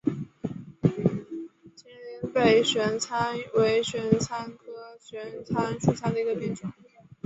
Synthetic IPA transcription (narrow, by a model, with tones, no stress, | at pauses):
t͡ɕʰjɛ˥˩nli˧˥npe˥˩ɪɕɥɛ˧˥nt͡sʰa˥nwe˧˥ɪɕɥɛ˧˥nt͡sʰa˥nkʰɤ˥ɕɥɛ˧˥nt͡sʰa˥nʈ͡ʂʰu˥˧t͡sʰa˥nd̪ə˩i˧˥ɡə˧pjɛ˥˩nʈ͡ʂʊ˨˩˦ŋ